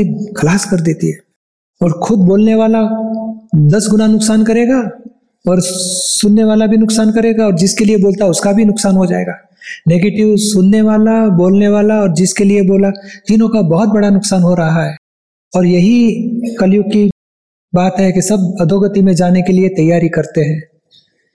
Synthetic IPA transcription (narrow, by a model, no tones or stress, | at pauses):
ikʰɐlaːskɐɾd̪eːt̪iɦɛː | ɔːɾxʊd̪̚boːlneʋaːla | d̪ɐsɡʊnanʊksaːnkɐɾeːɡaː | ɔːɾsʊnːeʋaːlabʱinʊksaːnkɐɾeːɡaɔːɾd͡ʒɪskelieboːlt̪aʊskabʱinʊksaːnɦod͡ʒa̰ːḛːɡaː | neːɡeːʈɪʋsʊnːeʋaːlaboːlneʋaːlaɔːɾd͡ʒɪskelieboːlat̪inõkabɔɦʊt̪̚bɐɽanʊksaːnɦoɾɐɦaɦɛː | ɔːɾjɐɦikɐljʊki | baːt̪ɦɛkesɐbɐd̪ʱoːɡət̪imẽd͡ʒaːnekeliet̪ɐjːaːɾikɐɾt̪eɦɛ̃ː